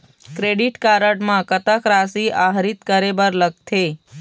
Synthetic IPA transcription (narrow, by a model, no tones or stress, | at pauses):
kɾeɖiʈkaɾəʈmãkət̪əkɾasiʔaɦɾit̪kəɾebəɾləɡ̚t̪ʰe